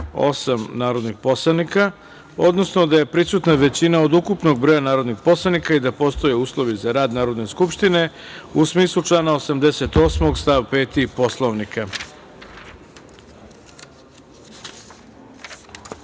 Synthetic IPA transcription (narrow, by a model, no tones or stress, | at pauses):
o̞̰samnaːɾo̞d̪nixposlˠanika | o̞d̪no̞sno̞d̪aje̞pɾisut̪naʋe̞t͡ɕinaod̪ukupno̞ɡ̚bɾo̞janaːɾo̞d̪nixpo̞slˠanikaid̪apo̞st̪o̞je̞uːslˠo̞ʋizaɾaːd̪naːɾo̞d̪ne̞skupʃt̪ine̞usmiːslˠut͡ʃlˠaːnaosamd̪ese̞t̪o̞ːsmo̞ɡst̪aʋpe̞ːt̪ipo̞slˠoʋnika